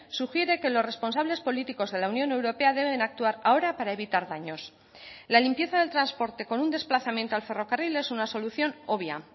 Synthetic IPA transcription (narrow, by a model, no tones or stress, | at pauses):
suxje̞ɾe̞ke̞lo̞sre̞spo̞nsaβle̞spo̞lit̪iko̞zðe̞launjo̞ne̞wɾo̞pe̞aðe̞βe̞nak̚t̪uaɾao̞ɾapaɾae̞βit̪aɾðaɲo̞s | lalimpje̞θaðe̞lt̪ɾanspo̞ɾt̪e̞ko̞nund̪e̞splaθamje̞nt̪oalfe̞ro̞karile̞sunaso̞luθjo̞no̞β̞ja̰